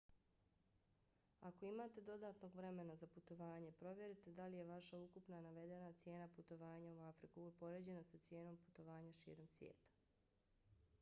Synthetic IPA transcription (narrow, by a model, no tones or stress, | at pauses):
ako̞imaːt̪e̞d̪o̞d̪aːt̪no̞ɡʋɾe̞me̞nazaput̪o̞ʋaːɲe̞pɾo̞ʋje̞ɾit̪e̞d̪alije̞ʋaʃaukupnanaʋe̞d̪e̞nat̪sje̞ːnaput̪o̞ʋaːɲauafɾikupo̞ɾe̞ːd͡ʑe̞nasat̪sje̞ːno̞mpu̥t̪o̞ʋaːɲaʃḭːɾo̞msʋjḛːt̪ḁ